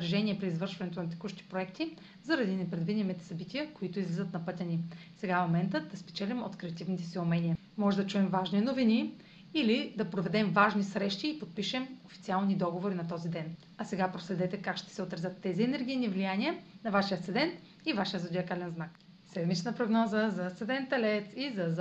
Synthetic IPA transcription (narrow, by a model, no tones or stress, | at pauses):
ɾɐʒɛniɛpɾiːzvɤɾʃvɐnɛt̪onɐt̪ɛ̥kuʃt̪i̥pɾoɛkt̪i | zɐɾɐd̪inɛpɾɛd̪vid̪imit̪ɛ̥sɐbit̪ijəkoit̪ʊizlʲizət̪nɐpɤt̪ʲɐnisɛɡamomɛnt̪əd̪ɐspɛ̥t͡ʃɛlʲimot̪kɾɛɐt̪ivnit̪ɛsiʊmɛniə | mɔʒɛd̪ɐt͡ʃuɛmvaʒninovini | ilid̪ɐpɾovɛd̪ɛmvaʒnisɾɛʃt̪iːpot̪̚piʃɛmofi̥t̪sialˠnid̪ɔɡovoɾinɐt̪ɔzid̪ɛn | ɐsɛɡapɾoslɛd̪ɛt̪ɛkakʃt̪ɛ̥sɛot̪ɾɐzʲət̪ːɛziɛnɛɾɡ̟ijnivlijaniənɐvaʃiət̪ɛd̪ɛnt̪ | ivaʃijəzɐd̪iɐkalɛnznak | sɛd̪mit͡ʃnəpɾoɡnɔzəzɐɛd̪ɛnt̪ɛlɛt̪izɐz